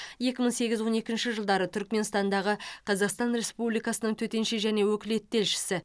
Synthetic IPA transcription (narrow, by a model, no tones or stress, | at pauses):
je̞kʲɪməɴse̞ɡʲɪzwo̞ne̞kʲɪnʃɪʒəlˠd̪ɑɾət̪ʰʏɾkme̞nst̪ɑnd̪ɑʁəqʰɑzɑqst̪ɑnɾe̞spublijkɑsənəɴt̪ʰɵt̪e̞nʃeʒæne̞wɵkʲɪle̞t̪ːe̞lʃɪ̥sɪ